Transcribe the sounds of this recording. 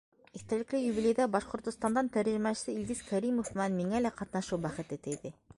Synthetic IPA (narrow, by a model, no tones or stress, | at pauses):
iθt̪ælɘ̆klɘjubilʲejd̪æbɑʃqŏɾt̪ŏst̪ɑnd̪ɑnt̪æɾʒɘ̆mæʃɘ̥̆sɘild̪iz̥kʰæɾimofmɘ̆nænmiŋælæqɑt̪nɑʃuwbæχɘ̆t̪ɘt̪ɘjðɘ